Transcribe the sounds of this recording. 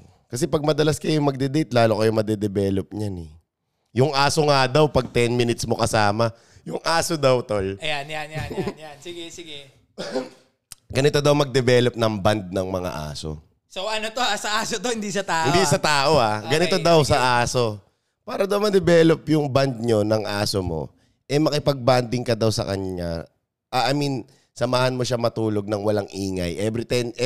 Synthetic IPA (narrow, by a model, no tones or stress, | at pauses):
kɐsɛpɐɡ̚mɐd̪ɐlaskɐjʊŋmɐɡ̚d̪ɛd̪ɛjt̪̚laːlokɐjomɐd̪ɛd̪ɛbɛːlop̚ɲanɛ | jʊŋʔaːso̞ŋad̪ɐwpɐɡ̚t̪ɛnmɪnɪt̪smo̞kɐsaːmɐ | jʊŋʔaːsod̪ɐwt̪ojɐjanjanjajansiɡɛsɪɡɛ | ɡɐnɪt̪o̞d̪ɐwmɐɡ̚d̪ɛbɛːlop̚nɐŋband̪̚nɐŋmɐŋa̰ʔa̰ːso̰ | sowʔɐnot̪oasɐʔaːsot̪ohɪnd̪isɐt̪aːʔɪnd̪isɐt̪aːʔoʔaɡɐnɪt̪o̞d̪ɐwsɐʔaːso̞ | paːɾɐd̪ɐwmɐd̪ɛbɛːlopjʊŋband̪̚ɲo̞nɐŋʔaːsomo̞̰ | ʔɛmɐkɪpɐɡ̚band̪ɪŋkɐd̪ɐwsɐ̰kɐ̰ɲɲa̰ | ʔɐʔɐmin | sɐmaːhɐnmo̞ʃamɐt̪uːlo̞ɡ̚nɐŋwɐlaŋʔiːŋɐ̰jʔɛbɾɪt̪ɛn